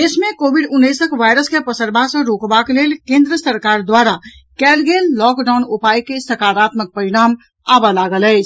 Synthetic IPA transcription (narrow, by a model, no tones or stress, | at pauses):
esmẽkobiɖunːəjsəkʋajɾəskepəsəɾbʱãsə̃ɾokbakelelkẽnd̪ɾəsəɾkaɾd̪waɾa | kɛlɡelːɔkɖaunupajkesəkaɾat̪mək̚pəɾiɽ̃am | abalaɡələɪt͡ʃʰ